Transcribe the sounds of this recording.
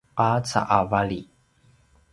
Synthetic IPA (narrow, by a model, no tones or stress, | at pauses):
ʔat͡sa̰ʔavaɭi